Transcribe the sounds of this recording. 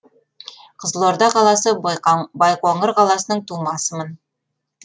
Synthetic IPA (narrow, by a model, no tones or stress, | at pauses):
qɤ̆zlˠoɾd̪ɑqɑlˠɑsɤbɑjqwɑɴɤɾqɑlˠɑsə̆nɤɴt̪umɑsəmɤn